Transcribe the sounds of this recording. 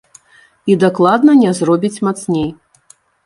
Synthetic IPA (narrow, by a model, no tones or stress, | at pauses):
id̪aklˠad̪nɐnʲɛzrɔbʲit͡sʲmat̪snʲej